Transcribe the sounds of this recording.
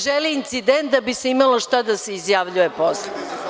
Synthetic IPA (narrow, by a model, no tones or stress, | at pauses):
ʒeliːnt̪sid̪ent̪̚d̪abiseimalo̞ʃt̪ad̪ase̞izjaːʋʎujeposle